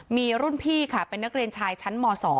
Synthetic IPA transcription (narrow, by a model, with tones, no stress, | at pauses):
miː˧ɾu˥˩npʰiː˥˩kʰa˥˩pe˧nːa˦˥k̚ɾi˧ənt͡ɕʰaː˧jt͡ɕʰa˦˥nmɔː˧sɔː˩˦